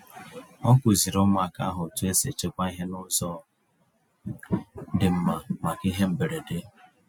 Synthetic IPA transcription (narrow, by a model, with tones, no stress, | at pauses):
ɔ˦kʷʊ˨zi˨ɾʊ˦ma˨ka̰˦ɦʊ˨tu˦e˦se˨t͡ʃe˦kʷa˦i˦ɦe˦nʊ˦zɔ˦ | dɪ˨m̩˦ma˨ma˨ki˦ɦe˦m̩˨be˨ɾe˨de˦